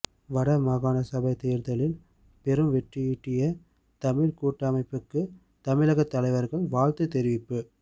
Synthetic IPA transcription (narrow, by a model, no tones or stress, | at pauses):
ʋɐɽɐmɐɣaːnɐsɐbɐɪt̪eːɪɾt̪ɐlɪl | pɛɾɯmʋɛʈrɪiːʈːɪjɐ | t̪ɐmɪɾkuːʈːɐmɐɪpːɯkːɯ | t̪ɐmɪlɐɣɐt̪ːɐlɐɪʋɐɾɣɐɭʋaːɻt̪ɯt̪ɛɾɪʋɪpːɯ